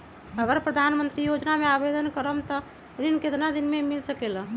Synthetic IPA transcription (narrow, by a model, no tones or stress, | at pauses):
əɡəɾpɾəd̪ʱanmənt̪ɾijod͡ʒnameabed̪ənkəɾəmt̪ɔ | ɾinket̪nad̪inmemilsəkelə̃